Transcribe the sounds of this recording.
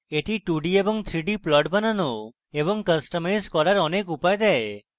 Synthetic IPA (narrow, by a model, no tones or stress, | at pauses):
eʈʰiʈuɖiebɔŋt̪ʰɾiɖiplɔɖbanano | ebɔŋkəsʈɔmajzkɔɾaɾɔnekupajd̪ɛe